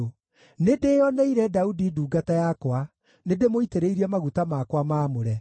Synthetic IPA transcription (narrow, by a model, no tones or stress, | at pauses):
nedeːjɔnɛiɾɛdaudiduːɡatajakwa | nedemoiteɾeiɾiɛmaɣutamakwamaːmoɾɛ